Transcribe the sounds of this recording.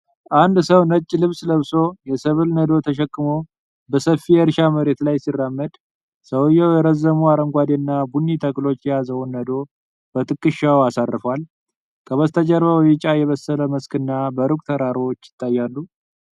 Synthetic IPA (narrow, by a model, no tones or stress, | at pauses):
ʔand̪səwnət͡ʃʼːilɨβsləβso̞jɛsɨβɨlnəd̪o̞t̪ʰəʃ̬ɛkʼːɨmo | bəsəfijəɾʃaməɾe̞t̪lajsirːamːəd̪ | səwɨjɛwjɛɾəzːəmuaɾəŋɡʷad̪enːabunːit̪ʰəkʼlo̞t͡ʃːjɛjazəwnːəd̪o̞ | b̥ət̪ʰʼɨkʼːɨʃːawasarːɨfwal | kʰəβəst̪ʰəd͡ʒəɾβəwjɪt͡ʃʼajɛβəsːələməskɨnːabəɾukʼt̪ʰəɾaɾwot͡ʃːjɪ̥t̪ʼːajːalːu